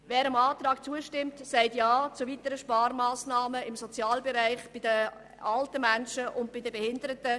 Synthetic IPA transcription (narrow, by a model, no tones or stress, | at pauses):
vɛːɾəmaːtɾɑːkt͡suəʃtɪmtsæɪtjaːt͡sʊvitəɾəʃpɑːɾmaːsnaːməɪmsot͡sjɑːlbɛɾæɪχb̥ɪdə | ɑltəmænʃəʔʊnt̚b̥ɪdəbɛhɪndəɾətə